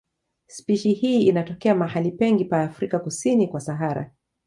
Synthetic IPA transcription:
spiʃihiːinatɔkɛamahalipɛŋɡipaːfɾikakusinikwasaɦaɾa̰

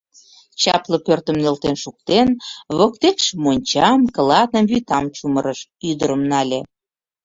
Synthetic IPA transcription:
t͡ɕɑplə̆pørt̪ə̆mnelt̪enʃuk̚t̪enβok̚t̪ekʃmonʲt͡ɕɑmkə̆lɑt̪nəmβyt̪ɑmt͡ɕuməɾəʃyd̪əɾəmnɑlʲe

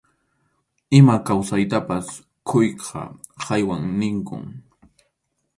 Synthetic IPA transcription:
ɪmakawsajt̪apas | kʰʊjqʰɑ̰ | qɑjwaŋnɪŋkʊ̰ŋ

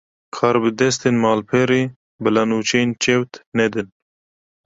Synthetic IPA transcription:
kʰɑːɾbɨd̪ɛst̪eːnmɑːlpʰɛɾeː | bɨlɑnuːt͡ʃʰɛnt͡ʃɛwt̪nɛd̪ɨn

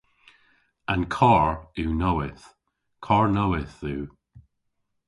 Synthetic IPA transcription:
ãnkʰɔɹʉːnowɪθ | kʰɔɹnowɪθuː

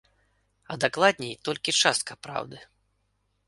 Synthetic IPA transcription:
ɐd̪aklˠad̪ʲnʲɛjt̪ɔlʲkʲit͡ʂast̪̚kɐpɾa̰wd̪ɨ

